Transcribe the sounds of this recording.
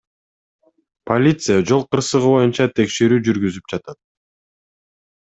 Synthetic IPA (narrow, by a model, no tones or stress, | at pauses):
pʰolʲit̪sɨjad͡ʒo̞lˠqɯɾsɯʁɯbo̞junt͡ʃɑt̪ʰe̞kʃe̞ɾyːd͡ʒyɾɡyzyp̚d͡ʒɑt̪ɑt̪̚